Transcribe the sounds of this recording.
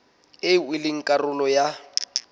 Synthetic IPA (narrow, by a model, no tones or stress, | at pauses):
ɪwɪlɪŋ̩kʼarʊlɔja